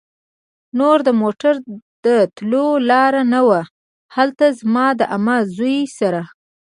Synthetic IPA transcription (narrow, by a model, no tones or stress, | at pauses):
noɾd̪əmoʈaɾd̪̥ət̪lolɑɾanawa | halt̪azmɑd̪əʔamazujsaɾa